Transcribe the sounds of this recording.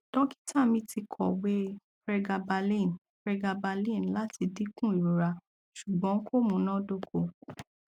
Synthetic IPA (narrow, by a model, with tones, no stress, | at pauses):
d̥ɔ̃˦ki̥˦tʰa˦˨mĩ˧ti˧kʰɔ˨we˦ | ɾɛ˧ɡa˧ba˧lĩ˦˨n | ɾɛ˧ɡa˧ba˧lĩ˦˨n˨la˨˦tʰi˧di˦kũ˦˨i˨ɾo˨ɾa˨ | ʃu˨ɡ͡bɔ̃˨˦kʰo˦˨mũ˨˦nã˦do˦kʰo˧˨